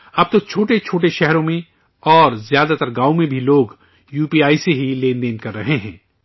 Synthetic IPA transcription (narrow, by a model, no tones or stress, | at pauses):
ɐb̚t̪ot͡ʃʰoːʈet͡ʃʰoːʈeʃɛɦɾõmẽ | ɔːɾzjaːd̪at̪əɾɡaːomẽbʱiloːɡ | juːpiaːiseɦileːnd̪eːnkɐɾːɐɦeɦɛ̰̃ː